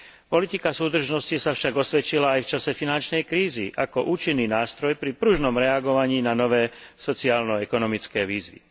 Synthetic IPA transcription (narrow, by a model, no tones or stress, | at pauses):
pɔlit̪ikasuːd̪r̩ʒnɔscisafʃaɡɔsʋɛt͡ʃilaːjft͡ʃasɛfinant͡ʃnɛjkɾiːziʔakɔʔuːt͡ʃinːiːnaːst̪ɾɔjpɾipɾuʒnɔmɾɛaɡɔʋaɲiːnanɔʋɛːsɔt͡siaːlnɔɛkɔnɔmit͡skɛːʋiːzʋḭ